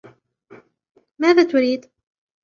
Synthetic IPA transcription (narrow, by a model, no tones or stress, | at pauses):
maːðaːt̪ʊɾiːd̪